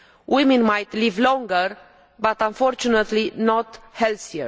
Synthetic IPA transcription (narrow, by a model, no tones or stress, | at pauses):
wʔimɛ̃nmajt̪livlɔ̃ŋɡəɾ | bat̪ãnfɔɾt͡ʃunət̪linɔt̪hɛlθiə